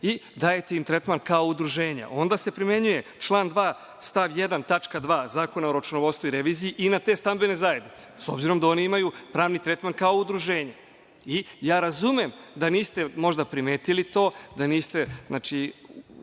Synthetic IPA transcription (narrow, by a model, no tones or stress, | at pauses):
id̪ajet̪eint̪ɾet̪mankaoud̪ɾuʒe̞ːɲa̰ʔo̞nd̪ase̞pɾime̞ɲuje̞t͡ʃlˠaːnd̪ʋaː | st̪aʋjed̪ant̪at͡ʃkad̪ʋaːzaːko̞naoɾat͡ʃunoʋost̪voiɾeʋiːzijiʔinat̪e̞st̪ambe̞ne̞zaje̞d̪nit̪se̥so̞bziɾo̞md̪ao̞niimajupɾaːʋnit̪ɾet̪mankao̞ud̪ɾuʒeːɲa | ijaːɾazumemd̪aniːst̪e̞mo̞ʒd̪apɾimeːt̪ilit̪o̞ːd̪aniːst̪e̞zna̰t͡ʃi